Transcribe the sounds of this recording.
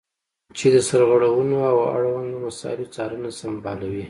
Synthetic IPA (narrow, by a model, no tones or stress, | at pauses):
t͡ʃed̪əsaɾɣəɽawənoawa̰ɽwand̪omasɑ̰ɾit͡sɑɾənasambɑlawi